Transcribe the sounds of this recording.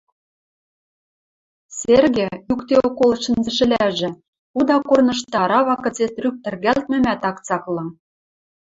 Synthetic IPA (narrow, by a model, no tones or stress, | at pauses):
serɣĕjukt̪eokolʃɤ̆nzɘ̆ʃɘ̆lʲæʒɘ̆ | ud̪ɑkornɤ̆ʃt̪ɑɾɑβɑkɤ̆t͡set̪ryk̚t̪ɘ̆rɣælt̪̚mɘ̆mæt̪ɑkt͡sɑklɤ̆n